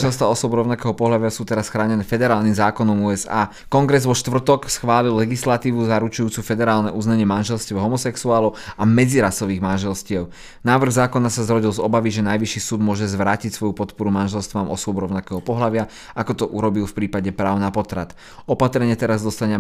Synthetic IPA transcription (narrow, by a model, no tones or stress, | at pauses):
ʒɛlst̪ʋaɔsɔbɾɔʊnakɛːɦɔpɔɦlaʋɪasuːt̪ɛɾasxɾaːɲɛnɛːfɛd̪ɛɾaːlnimzaːkɔnɔmuɛza̰ː | kɔŋɡɾɛzʋɔʃt̪ʋr̩t̪ɔksxʋaːlilːɛɡislat̪iːʋuzaɾut͡ʃujuːt͡sufɛd̪ɛɾaːlnɛʔuzɲaɲɪɛmanʒɛlscɛʊɦɔmɔsɛksuaːlɔʊamɛd͡ziɾasɔʋiːɣmanʒɛlscɪɛʊ | naːʋr̩ɣzaːkɔnasazɾɔɟilzɔbaʋiʒɛnajʋiʃiːsuːd̪mʊɔʒɛzʋɾaːcicsʋɔjupɔt̪pɔɾumanʒɛlst̪ʋamɔsʊɔbɾɔʊnakɛːɦɔpɔɦlaʋɪa | akɔt̪ɔʔuɾɔbilfpɾiːpaɟɛpɾa̰ːʊnapɔt̪ɾat̪ | ɔpat̪ɾɛɲɪɛt̪ɛɾazd̪ɔst̪aɲɪɛ